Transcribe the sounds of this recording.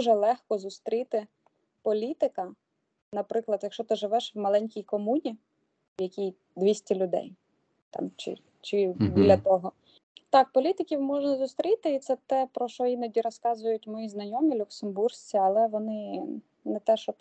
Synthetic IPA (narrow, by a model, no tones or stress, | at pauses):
uʒɛlˠɛxkɔzʊst̪ɾʲit̪ɪ | pɔlʲit̪ɪkɐ | nɐpɾɪklˠɐd̪jɐkʃɔt̪ɪʒɪʋɛʃwmɐlˠɛnʲkʲijkɔmunʲi | jɐkʲij | d̪ʋʲisʲtʲɐlʲʊd̪ɛ̰j | t̪ɑ̰mt͡ʃɪ̰ | t͡ʃɪbʲilʲɐt̪ɔɦɔ | t̪ɑk̚pɔlʲit̪ɪkʲiwmɔʒnɐzʊst̪ɾʲit̪ɪit̪sɛt̪ɛpɾɔʃɔjinɔdʲiɾɔskɑzʊjʊtʲmɔjiznɐjɔmʲilʲʊksembursʲt͡sʲiɐlˠɛʋɔnɪ | nɛt̪ɛʃɔ